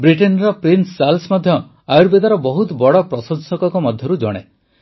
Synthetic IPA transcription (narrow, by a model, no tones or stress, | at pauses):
bɾiʈenɾɔpɾinsːalsmɔd̪ʱjɔ | ajuɾbed̪aɾɔbɔɦut̪bɔɽɔpɾɔsɔnsɔkɔkɔmɔd̪ʱjɔɾud͡ʒɔ̰ɽ̃ḛ